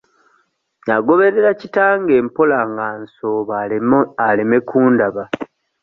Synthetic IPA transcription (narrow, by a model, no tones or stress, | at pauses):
jaɡo̞βe̞ɾeɾacitaːŋɡe̞ːmpo̞laːŋɡaːnso̞ːβaaleme̞kʰuːndaβa